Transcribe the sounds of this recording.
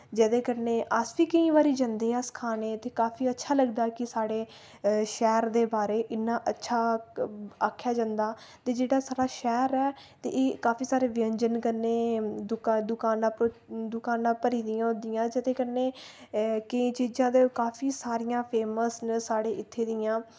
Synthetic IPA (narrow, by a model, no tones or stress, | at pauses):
d͡ʒəd̪ẽːkəɾneːʔəsʋiːkəĩːbaːɾiːd͡ʒãnd̪eːɛːskʰaːneːt̪eːkaːpʰiːətːʃʰaːləɡd̪aːkɪsaːɽeː | ʃɛːɾd̪eːbaːɾeːʔɪnːãːʔətːʃʰaː | aːkʰːjaːd͡ʒãːnd̪aː | t̪eːd͡ʒeːɽaːsaːɽaːʃɛːɾɛː | t̪ḛːʔeːkaːpʰiːsaːɾeːʋɪə̃ɲd͡ʒənkəneːd̪ʊd̪ʊkaːnãːpod̪ʊkaːnãːpəɾiːd̪ɪjãːõd̪ɪjãːd͡ʒɪt̪ẽːkəneː | kəĩːt͡ʃiːd͡ʒãːd̪eːkaːpʰiːsaːɾɪjãːpʰeːməsnːaːɽeːʔɪt̪ʰːeːd̪ɪjãː